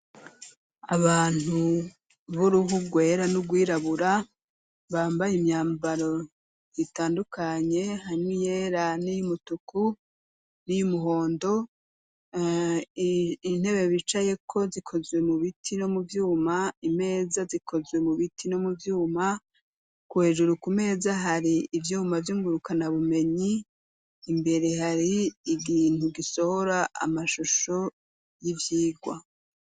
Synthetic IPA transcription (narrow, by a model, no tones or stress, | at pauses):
aβaːn̥u | βuɾuhuɡwe̞ːɾanuɡwiːɾaβuɾa | βaːmbajimɲaːmbaɾo̞ | jitaːndukʰaɲe̞haɲwijeːɾanijumutuku | nijumuɦo̞ːndo̞ | in̥he̞βe̞βit͡ʃajekʰo̞zikʰo̞zwe̞muβitʰino̞muvjuːmaime̞ːzazikʰo̞zwe̞muβitʰino̞muvjuːma | kuhe̞ʒuɾukume̞ːzaɦaɾiːvjuːmavjuːŋɡuɾukʰanaβume̞ɲiː | mbe̞ɾe̞haɾiːɡiːn̥huɡiso̞ho̞ɾaa̰maʃuʃo̞ | jivjiːɡwa̰